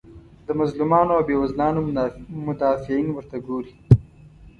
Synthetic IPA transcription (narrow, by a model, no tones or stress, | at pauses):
d̪̥əmazlumɑnoawbewazlɑːnomʊd̪ɑːfɪinwəɾt̪aɡoɾi